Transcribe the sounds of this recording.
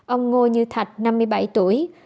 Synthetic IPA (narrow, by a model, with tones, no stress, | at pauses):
ʔə˧wŋ͡mŋo˧ɲɨ˧t̪ʰa˨˩t̚na˧mːɨ˧əjɓa˧˩jt̪u˧˩əj